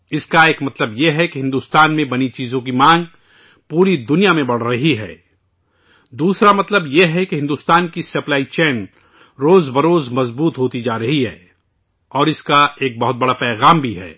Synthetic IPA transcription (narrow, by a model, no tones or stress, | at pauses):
ɪskaeːkmɐt̪ləbjeɦɛkeɦɪ̃nd̪uːst̪aːnmẽbɐnit͡ʃiːzõk̬imãːŋɡ̚ | puːɾid̪ʊnijamẽbɐɽ̤ɾɐɦiɦɛ̰ː | d̪uːsɾamɐt̪ləbjeɦɛkeɦɪ̃nd̪uːst̪aːnkisɐplaːit͡ʃɛːn | ɾoːzbɐɾoːzmɐzbuːt̪ɦoːt̪id͡ʒaːɾɐɦiɦɛ̰ː | ɔːɾɪskaeːk̚bɐɦʊt̪̚bɐɽapɛːɣaːmbʱiɦɛ̰ː